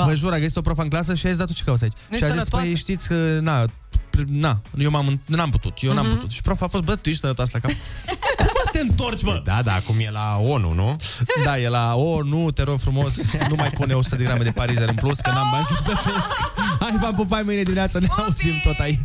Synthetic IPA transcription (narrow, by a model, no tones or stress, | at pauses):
vəʒuɾaɡəsit̪o̞pɾofaɨŋklas̬əʃiat̪sʲd̪at̪ot͡ʃekavwsait͡ʃʃiazispejejʃt̪it̪sʲkəna | pɾnajewmamɨnnamput̪ut̪jewnamput̪ut̪ʃi̥pɾofaːfost̪̚bət̪uiʃsəɾət̪aslakamkuməst̪eɨnt̪o̞rt͡ʃʲməd̪a̰d̪a̰ːkumjelao̞nṵnṵd̪ajelaonut̪eɾorfɾumo̞snumajpuneosu̥t̪əd̪eɡɾame̞d̪e̞paɾizeɾɨmpluskəmamənzib̪ət̪eskajvampop̬ajmɨjned̪iminʲat̪saneauzimt̪o̞t̪ait͡ʃ